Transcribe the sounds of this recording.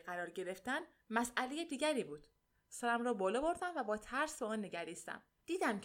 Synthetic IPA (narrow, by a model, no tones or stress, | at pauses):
ɢæɾɒːɾɟe̞ɾe̞ft̪æn | mæsælejed̪iːɟæɾiːbuːd̪̥ | sæɾæmɾɒːbɒːlɒːbo̞ɾd̪æmvæbɒːt̪ʰæɾsbeɒːnːe̞ɟæɾiːst̪æ̰m | d̪̥iːd̪æmcʰ